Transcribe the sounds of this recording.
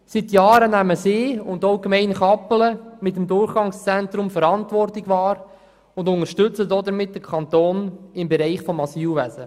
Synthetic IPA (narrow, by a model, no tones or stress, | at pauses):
sitjɑːɾənæməseːʊndoʊɡəmɛɪnχɑpələmɪtəmd̪ʊrχɡ̥ɑŋst͡sɛntɾʊmfəɾɑntʋɔrtlɪɡʋɑːɾ | ʊndʊŋəɾʃtʏt͡sədɔd̪əɾmɪt̚d̥əkʰɑnt̪oːnɪmbɛɾɛɪχfɔmɑsiːwʋæsə